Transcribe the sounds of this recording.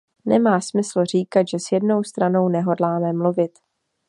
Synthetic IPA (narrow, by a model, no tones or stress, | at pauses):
nɛ̰maːsmɪsl̩r̝iːkat̪ʒɛsjɛdno̞wst̪ɾano̞wnɛɦo̞dlaːmɛmluvɪt̪